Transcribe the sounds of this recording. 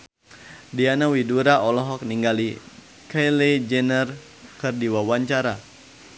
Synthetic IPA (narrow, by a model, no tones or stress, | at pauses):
dianawiduɾaʔɔlɔɦɔk̚niŋɡali | kajled͡ʒɛnər | kərdiwawaɲt͡ʃaɾa